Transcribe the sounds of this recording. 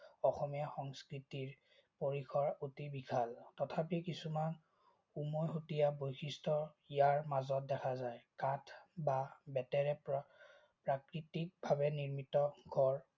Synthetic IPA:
ɔxɔmijaxɔŋskɹitiɹ | poɹikʰɔɹutibikʰaltɔtʰapikisuman | umɔjɦutijabojkʰistɔ | ijaɹmazɔt̚dɛkʰazajkatʰbabɛtɛɹɛ | pɹakɹitik̚bʱaβɛniɹmitɔɡʱɔɹ

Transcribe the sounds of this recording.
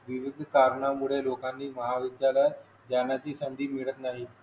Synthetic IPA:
ʋiʋid̪ʱkaɾɳamuɭelokanːiːməɦaʋid̪jala | d͡ʑanat͡ɕiːsənd̪ʱiːmiɭət̪naɦi

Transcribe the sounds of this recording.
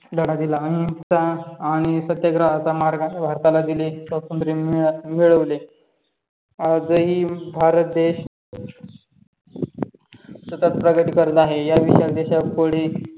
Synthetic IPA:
d̪əɽ̃ad̪ilaəɦĩt͡saːɽ̃isət̪jəɡɾəːsamaɾɡabʱaɾt̪alad̪ilisʋat̪ənt̪ɾimiɭəʋle | ad͡zəɦiːbʱaɾət̪̚d̪eɕ | sət̪ət̪̚pɾəɡət̪iːkəɾd̪aɦejaʋiɕjald̪eɕapəɽi

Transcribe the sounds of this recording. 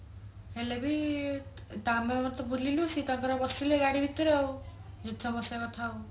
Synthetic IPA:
helebi | ʈamemɔt̪ɔbulilusit̪akɔɾabɔsileɡaɽibʱit̪ɔɾeɔ | d͡ʒet̪ʰːɔbɔseat̪ʰaw

